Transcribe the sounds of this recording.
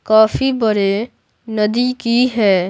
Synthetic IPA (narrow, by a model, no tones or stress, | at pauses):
kaːfibəɾe | nɐd̪ikiɦɛː